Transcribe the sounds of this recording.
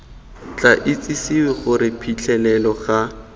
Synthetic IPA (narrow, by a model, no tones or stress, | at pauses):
t͡ɬaʔɪt͡sʼisiwɪχʊɾɪpʰit͡ɬʰɛlɛlɔχa